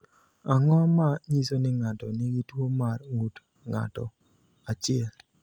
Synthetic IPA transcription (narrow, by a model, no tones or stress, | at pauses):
aŋɔmaɲisonɪŋatɔnɪɡitwomarŋut | ŋa̰tɔ̰ | at͡ʃɪɛl